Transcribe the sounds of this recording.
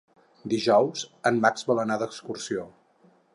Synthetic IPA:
d̪iʒɔwzənmakzbələnaðəkskursio

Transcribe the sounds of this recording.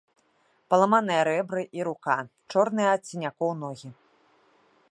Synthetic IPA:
pɐlˠɐmanɨjɐɾɛbɾɨʔiɾukat͡ʂɔrnɨjɐːt͡sʲːinʲakɔwnɔɣʲi

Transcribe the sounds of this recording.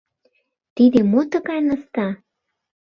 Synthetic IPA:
t̪id̪emot̪ə̆ɣɑjnəst̪ɑ

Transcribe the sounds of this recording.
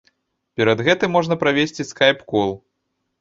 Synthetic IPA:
pʲɛɾɐd̪ɣɛt̪ɨmːɔʐnɐpɾavʲesʲt͡sʲiskajpkɔlˠ

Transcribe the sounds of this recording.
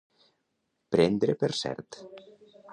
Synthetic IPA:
pɾend̪ɾepeɾsɛ̰ɾt̪

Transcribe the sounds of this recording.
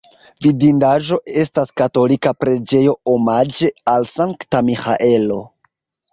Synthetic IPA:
vidindaʒo̞ʔe̞staskato̞likapɾe̞d͡ʒe̞jo̞omad͡ʒe̞alsaŋktamixa̰ʔe̞lo̞

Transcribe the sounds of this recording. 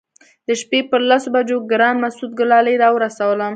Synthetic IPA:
d̪̥əʃpepəɾlasobad͡ʒoɡɾɑnmasud̪̚ɡʊlɑləjɾɑwəɾasawəlam

